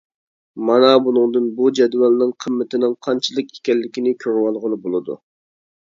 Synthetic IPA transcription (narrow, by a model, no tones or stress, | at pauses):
mɑnɑbunɨŋd̪ɨnbud͡ʒɛd̪wɑlnɪŋqʰəmːɪt̪ʰɪnɪŋqʰɑnt͡ʃʰɨlˠəki̥kʲɛlːɪkʲinɪkʲʰøɾwɑlˠʁənɨbolˠɨd̪ṵ